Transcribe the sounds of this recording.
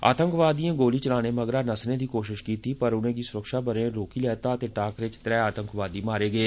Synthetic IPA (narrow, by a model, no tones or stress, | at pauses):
a̰ːt̪əŋkʋaːd̪ijãːɡoːliːt͡ʃəlaːneːməɡɾaːnəsnẽːd̪iːkoːʃɪʃkiːt̪iːpəɾʊnẽːɡiːsʊɾəkʃaːbəɾẽːɾoːkiːlɛːt̪aːət̪eːʈaːkɾɪt͡ʃt̪ɾɛːaːt̪əŋkʋaːd̪iːmaːɾeːɡəeː